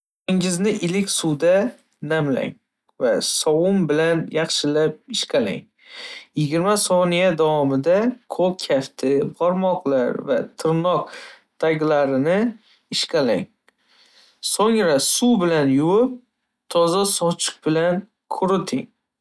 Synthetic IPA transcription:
ɪŋɪznɪʔɪlɪkʲsuwd̪a | namla̰ŋ | vasɒwʊmbɪlanjɑχʃɪlap̚ɪʃqʰala̰ŋ | jɪɡʲɪɾmasɒnijad̪awɒmɪd̪akʰokʲʰaft̪ʰɪbʰɒɾmɒqlˠaɾvat̪ʰɪɾnɒq | t̪ʰaɡʲlaɾɪnɪ | ɪʃkala̰ŋ | soŋɾasubɪlanjʊwɪp̚ | t̪ʰɒzasɒt͡ʃʰɪ̥q̚bɪlan | kʰʊɾɪt̪ʰɪŋ

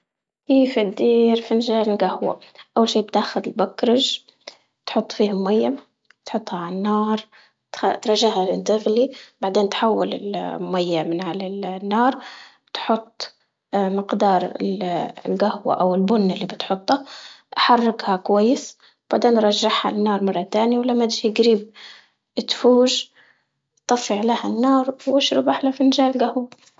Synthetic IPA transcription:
ʔiːfid̪ːiːɾfinʒaːlɪlɡahwa̰ʔawːalʃiːbt̪aːxʊd̪ɪlbakɾˤɑʒ | t̪ħʊt̪ˤːfiːhmmajːa | t̪ħʊt̪ˤːhaʕaanːɑːɾˤ | t̪t̪ɾˤɑʒaʕhalɪnd̪ɪɣlib̥aʕd̪eːnt̪ħawːalɪ̰lmmajːamɪnʕalalnːɑːɾˤ | t̪ħʊt̪ˤː | mɪqd̪ɑːɾˤɪ̰llɡahwa̰ʔawɪlbʊnːɪlːiːbɪt̪ħʊt̪ˤːaʔħɑrˤːɪɡhakwajːɪs | b̥aʕd̪eːnɾˤɑʒːɪħha̰nːɑːɾˤmɑrˤːɑt̪aːniwlamːat̪ʒiɡɾiːb̚ | t̪fuːʒ | t̪ˤːɑfːɪʕlahanːɑːɾˤwʔaʃɾʊbʔaħlafinɪʒaːʔɪlɡahwa

